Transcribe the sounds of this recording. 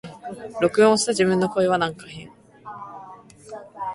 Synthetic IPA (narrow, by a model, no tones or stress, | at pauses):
ɾo̞kɯ̟õːɕi̥t̪aʑibɯ̟̃nːo̞ko̞eβanãŋkahẽŋ